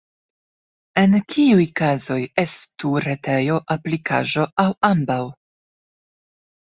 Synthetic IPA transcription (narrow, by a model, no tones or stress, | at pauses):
e̞nkʰiujkazo̞je̞stuɾe̞tʰe̞jo̞ʔaplikʰa̰ʒo̞ʔawambaw